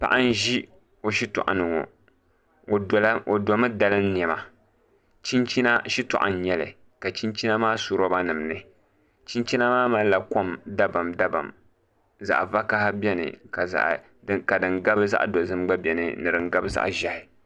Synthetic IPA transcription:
pa̰˨ʔa˦n˦ʒi˦ | o˨ʃi˦tʊ̰˨ʔa̰˨nɨ˨ŋo̰˨˦ | o˨do˨mɨ˦da˦lɨ˦n˦n˨ɛ˨ma˨ | t͡ʃi˦nt͡ʃi˦na˦ʃi˦tʊ̰˨ʔa̰˨n̩˨ɲɛ˦lɨ̰˨ | ka˨t͡ʃi˦nt͡ʃi˦na˦maː˦su˦ɾo˦ba˦nɨ˨mnɨ˨ | t͡ʃi˦nt͡ʃi˦na˦maː˦ma˦la˨ko˦mda˦ba˨mda˦ba̰˨m | za̰˨ʔva˦ka˦ha˦bɛ˦nɨ̰˨ka˨za̰˨ʔ | ka˨dɨ˨ŋɡa˦bɨ˦za̰˦ʔdo˨zɨ˦mɡ͡ba˦bʲɛ˨nɨ̰˨nɨ˨ɾɨ˨ŋɡa˦bɨ˦za̰˦ʔʒa˨hɪ˨

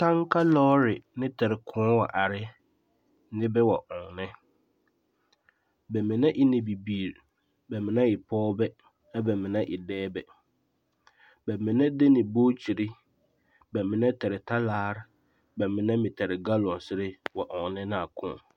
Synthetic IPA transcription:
tʰã˦ŋ˦kʰa˦lɔː˦ɾɪ˨nɪ̃˦tʰa˨ɾɪ˨kʰʊ̃˦wɔ˨ʔa˨ɾɪ˦ | nɪ̃˦bɛ˦wɔ˨ʔɔ̃˨ŋnɪ̃˦ | bɛ˨mɪ̃˨nã˦ʔɪ˦nɪ̃˨bi˨biː˨ɾ | bɛ˨mɪ̃˨nã˦ɪ˨pʰɔː˦bɛ˦ | a˦bɛ˨mɪ̃˨nã˦ʔɪ˨dɛː˦bɛ˨ | bɛ˨mɪ̃˨nã˦dɛ˦nɪ̃˨boː˦t͡ɕʰi˨ɾɪ˦ | bɛ˨mɪ̃˨nã˦tʰa˨ɾɪ˨tʰa˦laː˦ɾ | bɛ˨mɪ̃˨nã˦mɪ̃˨tʰa˨ɾɪ˨ɡa˦lɔ̃˨n˨sɪ˦ɾɪ˦wɔ˨ʔɔ̃˨ŋnɪ̃˦nɪ̃˦a˨kʰʊ̰̃˦˨

